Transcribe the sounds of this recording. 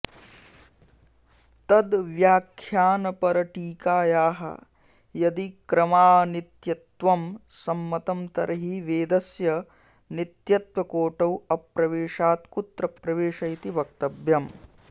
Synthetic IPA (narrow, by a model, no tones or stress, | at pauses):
t̪ɐd̪ʋjaːkʰjaːnɐpɐɾɐʈiːkaːjaːɦɐ̰ | jɐd̪ikɾɐmaːnit̪jɐt̪ʋɐmsɐmːɐt̪ɐmt̪ɐɾʔɐɦiʋeːd̪ɐsjɐ | nit̪jɐt̪ʋɐkoːʈɐwɐpɾɐʋeːʂaːt̪kut̪ɾɐpɾɐʋeːʂɐjt̪iʋɐk̚t̪ɐbjɐm